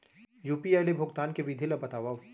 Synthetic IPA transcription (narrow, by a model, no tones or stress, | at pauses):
juːpiaːjlebʱʊɡt̪aːnkeʋid̪ʱilɐbɐt̪aːʋaʋ